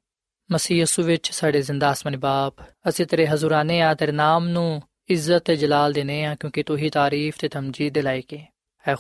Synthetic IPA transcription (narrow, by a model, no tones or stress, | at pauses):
məsiːjiːsuːʋɪt͡ʃsaːɖeːzɪnd̪aːsmənebaːp | əsẽːt̪eɾeːɦəzuːɾaːneːãːt̪eːɾnaːmnũː | ɪzːət̪eːd͡ʒəlaːld̪eːneːãːkjõːkit̪ʊɦiːt̪aːɾiːft̪eːt̪ʰəmd͡ʒiːd̪eːlaːekeː | ɛː